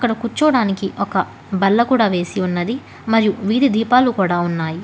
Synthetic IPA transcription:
ɐkːɐɽɐkut͡ʃːuːɽaːnikiʔɔkɐ | bɐlːɐkuːɽaːʋe̞ːsiunːɐd̪i | mɐɾijuʋiːd̪id̪ʱiːpaːlukuːɽaːunːaːji

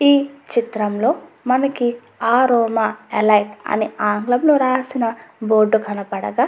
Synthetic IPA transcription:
iːt͡ʃit̪ɾɐmlo̞ː | mɐnɐki | aːɾɔːmaːelɐjʈɐ̰niaːŋɡlɐmloːɾaːsinɐboːɾɖːukɐnɐpɐɽɐ̰ɡaː

